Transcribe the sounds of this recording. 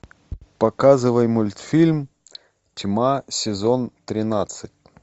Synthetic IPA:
pɐkazɨvəjmʊlʲt̪fʲilʲm | tʲmasʲɪzont̪ɾʲɪnat̪sɨtʲ

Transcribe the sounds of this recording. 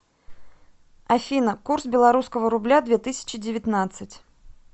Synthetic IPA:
afʲinɐkursbʲɛlˠaɾuskəvəɾublʲad̪vʲɛt̪ɨsʲɐ̥t͡ɕɪd͡zʲɪvʲɪt̪nat̪sːɨt͡sʲ

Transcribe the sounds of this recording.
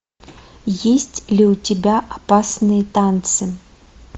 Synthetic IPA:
jesʲt͡sʲlʲiwtʲɛbʲaʔapasnɨjɐt̪ant̪sɨ

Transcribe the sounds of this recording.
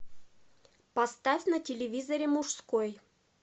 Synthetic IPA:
pɐst̪afʲnətʲɪlʲɪvʲizəɾʲɪmuʂskoj

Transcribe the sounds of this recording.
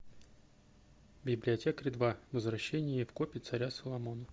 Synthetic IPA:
bʲɪblʲɪɐtʲe̞kɾʲɪd̪vavəzvɾɐɕːenʲɪjəfkopʲɪt̪sɐɾʲasəlˠɐmo̞nə

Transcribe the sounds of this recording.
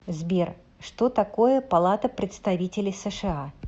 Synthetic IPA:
zʲbʲɛr | ʂt̪ɔt̪akojɛpalˠat̪ɐpɾʲɛt̪st̪avʲit͡sʲɪlʲisɛʂɨa

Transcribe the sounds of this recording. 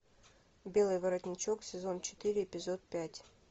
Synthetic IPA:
bʲe̞lˠɨjvɐɾɐt̪ʲnʲɪt͡ɕoksʲɪzo̞nt͡ɕɪ̥t̪ɨɾʲɪɪpʲɪzot̪̚pʲætʲ

